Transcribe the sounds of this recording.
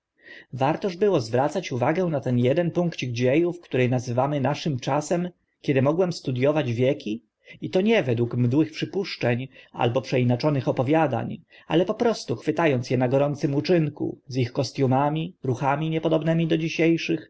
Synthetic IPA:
vaɾt̪ɔʐbɘwɔzvɾat̪sat͡ɕuvaɡɛ̃nat̪ɛnjɛd̪ɛnpuŋkt͡ɕiɡd͡ʑejufkt̪uɾɛjnazɘvamɘnaʂɘmt͡ʂasɛm | kʲɛd̪ɘmɔɡwɛmst̪ud̪jɔvad͡ʑvʲjɛkʲi | it̪ɔɲɛvɛd̪wukmd̪wɘxpʂɘpuʂt͡ʂɛɲa̰lbɔpʂɛinat͡ʂɔnɘxɔpɔvʲjad̪a̰ɲ | a̰lɛpɔpɾɔst̪uxfɘt̪ajɔnt̪sʲjɛnaɡɔɾɔnt̪sɘmut͡ʂɘŋkṵzixkɔst̪ʲjumamʲiɾuxamʲiɲɛpɔd̪ɔbnɛmʲid̪ɔd͡ʑiɕejʂɘx

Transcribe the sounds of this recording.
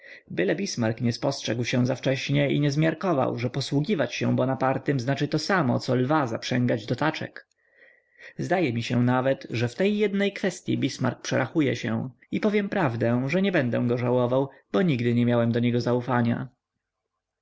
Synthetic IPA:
bɘlɛbʲismaɾkɲɛspɔstʂɛɡwɕɛ̃zaft͡ʂɛɕɲɛḭɲɛzmʲjaɾkɔva̰wʐɛpɔswuɡʲivat͡ɕɕɛ̰̃bɔnapaɾt̪ɘmznat͡ʂɘt̪ɔsamɔ̰t̪sɔlvaza̰pʂɛŋɡad͡ʑd̪ɔt̪at͡ʂɛ̰k | zd̪ajɛmʲiɕɛ̃navɛt̪ʐɛft̪ɛjːɛd̪nɛjkfɛst̪ʲjḭbʲisma̰ɾk̚pʂɛɾaxujɛ̰ɕɛ̰ | ipɔvʲjɛmpɾavd̪ɛ̃ʐɛɲɛbɛnd̪ɛ̃ɡɔʐawɔvawbɔɲiɡd̪ɘɲɛmʲjawɛmd̪ɔɲɛɡɔzaufaɲa̰

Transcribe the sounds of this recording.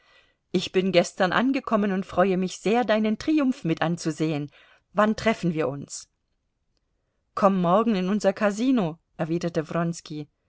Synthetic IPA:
ʔɪçb̥ɪnɡɛstɐnʔa̰nɡəkʰɔmənʊntfʁ̥ɔʏəmɪçz̥eːɐdaɪnəntʁ̥iːʊmfmɪtʔant͡suzeːən | vantʁ̥ɛfn̩viːɐʔʊns | kʰɔmːɔɐɡŋ̩ɪnʊnzɐkʰaziːnoʔɛɐviːdɐtəvʁɔnski

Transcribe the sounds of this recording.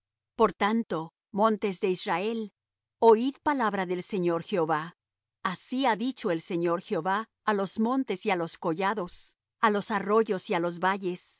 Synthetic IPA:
po̞ɾt̪ant̪o̞ | mõ̞nt̪e̞zðe̞israe̞l | oiðpalaβɾaðe̞lse̞ɲo̞ɾxeoβa | asiaðit͡ʃo̞e̞lse̞ɲo̞ɾxeoβaː | lo̞zmõ̞nt̪e̞sialo̞sko̞ʝaðo̞s | alo̞saro̞ʝo̞sialo̞zβaʝe̞s

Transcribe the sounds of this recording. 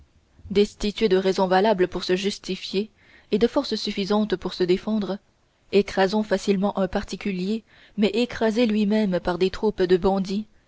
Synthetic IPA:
d̪ɛst̪it̪ɥed̪əʁɛzɔ̃valabləpuʁsəʒyst̪ifje | ed̪əfɔʁssyfizɑ̃t̪puʁsəd̪efɑ̃d̪ʁ | ekχazɔ̃fasilmɑ̃ʔɛ̃paʁt̪ikʲylje | mɛʔekχazelɥimɛmpaʁd̪et̪χupd̪əbɑ̃d̪i

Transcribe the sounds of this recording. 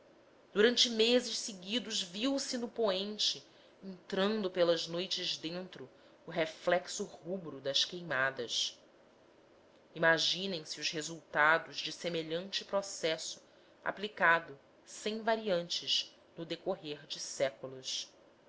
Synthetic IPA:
d̪̥uɾɐ̃nt͡ʃɪmezɪʃsɪɡid̪ʊzviwsɪnʊpoẽnt͡ʃɪ | ẽnt̪ɾɐ̃nd̪ʊpelɐʒnojt͡ʃɪʒd̪ẽnt̪ɾʊː | ɦeflɛksʊhubɾʊd̪ɐʃkejmad̪ɐs | imaʒĩnẽj̃siʊzhezuwt̪ad̪ʊʒd͡ʒɪsemeʎɐ̃nt͡ʃɪpɾosɛsʊ̥ | a̰plikad̪ʊ | sẽj̃vaɾiɐ̃nt͡ʃɪʃ | nʊd̪ekoɦeɾd͡ʒɪsɛkulʊʃ

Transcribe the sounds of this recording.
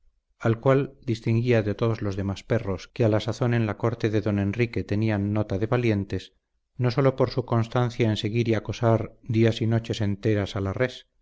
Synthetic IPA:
alkwald̪ist̪iŋɡiaðe̞t̪o̞ðo̞zlo̞zðe̞maspe̞ro̞skealasaθo̞ne̞nlako̞ɾt̪e̞ðe̞ðo̞nẽ̞nrike̞t̪e̞nianːo̞t̪aðe̞βalje̞nt̪e̞s | no̞so̞lo̞po̞ɾsuko̞nst̪anθjae̞nse̞ɣiɾiako̞saɾd̪iasino̞t͡ʃe̞se̞nt̪e̞ɾasalares

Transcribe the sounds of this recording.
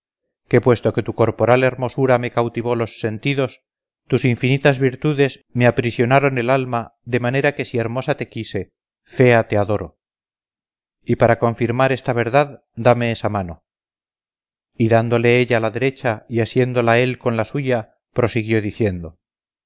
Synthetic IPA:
ke̞pwe̞st̪o̞ke̞t̪uko̞ɾpo̞ɾale̞ɾmo̞suɾamekawt̪iβ̞o̞lo̞sːe̞nt̪iðo̞s | t̪usiɱfinit̪azβiɾt̪uðe̞zmeapɾisjo̞naɾo̞ne̞lalmad̪e̞mane̞ɾake̞sie̞ɾmo̞sat̪e̞kise̞ | fe̞at̪e̞aðo̞ɾo̞ | ipaɾakõ̞ɱfiɾmaɾe̞st̪aβ̞e̞ɾðað | d̪ame̞esamano | iðand̪o̞le̞eʎaːlaðe̞ɾe̞t͡ʃaiasje̞nd̪o̞lae̞lko̞nlasuʝa | pɾo̞siɣjo̞ðiθje̞nd̪o̞

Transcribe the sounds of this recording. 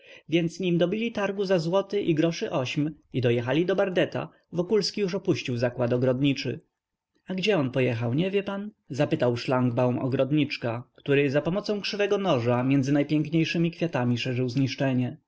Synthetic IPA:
vʲjɛnt̪sɲimd̪ɔbʲilʲit̪aɾɡuzazwɔt̪ɘʔiɡɾɔʂɘʔɔɕm | id̪ɔjɛxalʲid̪ɔbaɾd̪ɛt̪a̰ | vɔkulskʲijuʂ̬ɔpuɕt͡ɕiwzakwat̪ɔɡɾɔd̪ɲit͡ʂɘ̰ | aɡd͡ʑɛɔnpɔjɛxawɲɛvʲjɛpan | zapɘt̪awʂlaŋɡbawmɔ̰ɡɾɔd̪ɲit͡ʂkakt̪uɾɘzapɔmɔt̪sɔ̃w̃kʂɘvɛɡɔnɔʐamʲjɛnd̪zɘnajpʲjɛŋkɲejʂɘmʲikfʲjat̪amʲiʂɛʐɘwzɲiʂt͡ʂɛɲɛ

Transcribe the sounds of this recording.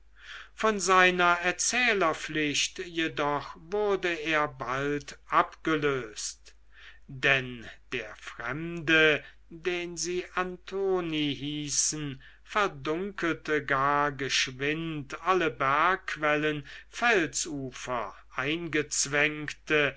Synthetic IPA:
fɔnzaɪnɐɛɐt͡sɛːlɐflɪɕtjedɔχvʊʁɐdəeːɐbaltʔapɡ̥əløːst | dɛnd̥eːɐfʁɛ̰mdə | deːnziːʔantʰoːniɦiːsn̩ | fɛɐdʊŋkəltəɡaːɐɡəʃvɪntʔaləbæɐkːv̥ɛlənfɛlsuːfɐ̰ʔaɪnɡət͡sv̥ɛŋktə

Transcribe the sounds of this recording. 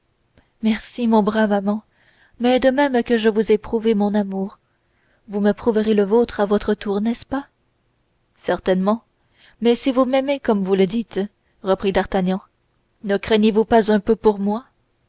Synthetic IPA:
mɛʁsimɔ̃bʁamamɑ̃ | mɛd̪əmɛmkəʒəvuzɛpχuvemɔ̃namuʁ | vuməpχuvəʁeləvot̪χavɔt̪χət̪uʁnɛspa | sɛʁt̪ɛnmɑ̃ | mɛsivumɛmekɔmvuləd̪it̪ | ʁəpχid̪aʁt̪aɲɑ̃ | nəkχɛɲevupazɛ̃pøpuʁmwa

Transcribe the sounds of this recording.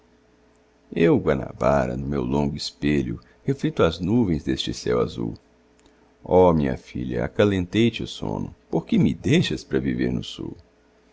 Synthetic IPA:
ewɡwɐna̰baɾɐ̰nʊmewlõŋɡʊispeʎʊ | heflit̪ʊaznuvẽj̃zd̪est͡ʃɪsɛwazuw | ɔmĩɲɐ̰fḭʎɐa̰kalẽnt̪ejt͡ʃɪʊsõ̰nʊpoɾkɪmɪd̪ejʃɐspɾɐviveɾnʊsuw

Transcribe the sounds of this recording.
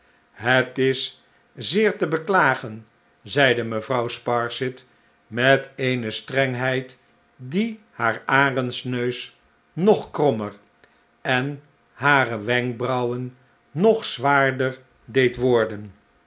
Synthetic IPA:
ɦətɪs | zɪːɹtəbəklaːχən | zɛjdəməvrʌwspɑɹsɪt | mɛtejnəstrɛŋɦɛjt | di | haːɹaːrənsnøɥs | nɔχkrɔməɹ | ɛn | ɦaːrəʋɛŋk̚brɑwənː | ɔχsʋaːɹdəɹ | dejtʋɔɹdən

